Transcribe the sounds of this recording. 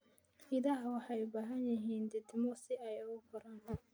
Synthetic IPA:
ɪðaːɦwɑħɑjʊbaːɦɐnjɐɦiːnd̪ɪd̪ɪmɔsɪɛjʊɣʊkʰʊɾaːn

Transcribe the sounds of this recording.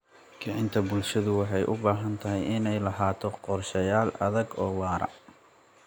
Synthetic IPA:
ɡɐʕɪnt̪ʰɐbʊlʃɐðʊwɑħɑjʔʊbaːɦɐnt̪ʰɐɦɛjʔɪnɛjlɐɦaːt̪ʰɔqɔrʃɐjaːlɐ̰ðɐɡɔːwɑːɾɐ̰

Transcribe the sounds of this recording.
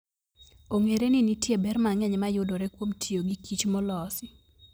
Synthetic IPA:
oŋeɾenɪnitjebɛrmaŋɛɲmajʊdoɾɛkwomtʰioɡikʰit͡ʃmɔlɔsɪ

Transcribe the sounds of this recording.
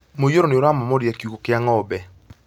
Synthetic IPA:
mojoɾonɪoɾamɔmɔɾjakjukokɪaŋɔbɛ

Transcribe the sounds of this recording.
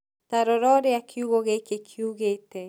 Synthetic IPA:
t̪aɾɔɾɔɾeakʰjuɣoɣekekʰjuɣet̪e

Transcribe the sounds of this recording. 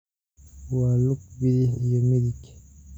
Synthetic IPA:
waluk̚biɾijomiɾik

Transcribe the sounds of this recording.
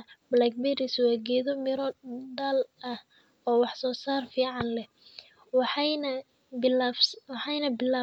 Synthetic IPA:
blak̚bɛɾɪswaːɡɛːðɔmɪɾɔd̪ɐlʔɐh | ɔːwɑħsɔːsaːrfiːʕɑnlɛ | wɑħnɐ | bɪabswɑħɑjnɐbɪlaː

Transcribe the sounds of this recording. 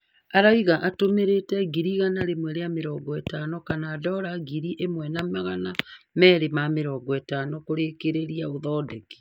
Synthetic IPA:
aɾaiɣaʔatomeɾetɛɡiɾiɣanaɾemwɛɾeameɾɔɡɔɛtanɔkanaːdɔɾaɡiɾiʔemwɛnamaɣanamɛɾemameɾɔːɡɔɛtanɔkoɾeːkeɾeɾiaoðɔdɛki̥

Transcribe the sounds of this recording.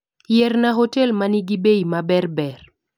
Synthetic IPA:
jɛrnaɦotɛlmaniɡibejmabɛrbɛr

